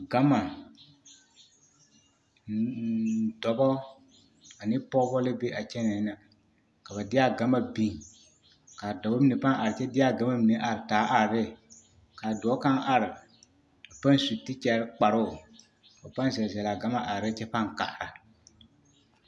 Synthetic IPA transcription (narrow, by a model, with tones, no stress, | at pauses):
ɡa˦ma˨ | dɔ˨bɔ˦ | a˨nɪ˦pɔ˦bɔ˦lɪ˦be˦ʔa˨t͡ʃɛ˦nɛ˨˦na˨ | ka˨βa˨dɪ˦a˦ɡa˨˦ma˨bi˦ŋ | ka˨dɔ˨bɔ˦mi˦ne˨pa˦ŋa˨ɾɪ˨t͡ʃɛ˦dɪ˦a˦˨ɡa˦ma˦mi˨ne˦ʔa˨ɾɪ˨taː˨˦ʔa˨ɾɾɪ˦ | ka˨dɔ˨ɔ˦ka˦ŋʔa˨ɾɪ˨ | a˨pa˦n˨su˨tɪ˦t͡ʃɛ˨ɾɪ˦k͡pa˨ɾʊ˦˨ | ɔ˨pa˦n˦zɛ˨lzɛ˨la˨ɡa˦ma˨ʔa˨ɾɪ˦t͡ʃɛ˦pa˦ŋka̰˨ʔa˨ɾa˨